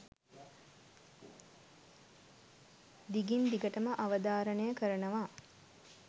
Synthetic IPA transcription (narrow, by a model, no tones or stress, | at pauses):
d̪iɡind̪iɡəʈəməʔaʋəd̪aːɾənəjəkəɾənəʋaː